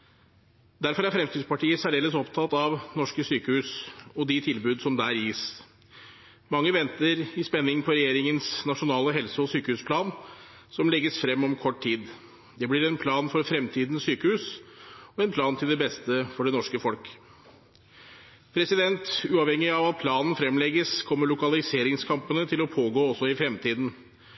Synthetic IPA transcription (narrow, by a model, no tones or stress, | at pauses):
d̪æɾfɔɾæɾfɾɛmt̪ʰid̪spɑʈʰiːəsæɖeːləsɔpt̪ʰɑt̪ɑʋnɔʂkəsyːkəhʉːsɔd̪ɪt̪ʰɪlbʉːd̪sɔmd̪æːɾjiːs | mɑŋːəʋɛnt̪əɾɪspɛnːɪŋpʰɔɾɛjeːɾɪŋənsnɑʂʊnɑːləɦɛlsəɔsyːkəhʉːspʰlɑːn | sɔmlɛɡəsfɾɛmːɔmkʰɔʈt̪ʰiːd̪ | d̪ɛblɪɾɛnpʰlɑːnfɔɾfɾɛmt̪ʰiːd̪n̩ssyːkəhʉːsɔɛnpʰlɑːnt̪ʰɪld̪ɛbɛst̪əfɔɖɛnɔʂkəfɔlk | pʰɾɛsɪd̪ɛnt̪ʉːɑːʋhɛŋːɪɑʋɑt̪̚pʰlɑːnn̩fɾɛmlɛɡəskʰɔmːəɭʊkɑlɪseːɾɪŋskʰɑmpənət̪ʰɪlɔpʰoːɡoːɔsːɔɪfɾɛmt̪ʰiːd̪n̩